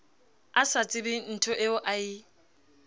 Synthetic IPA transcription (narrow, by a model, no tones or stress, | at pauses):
asat͡sʼɪbɪn̩tʰʊʔeʊʔai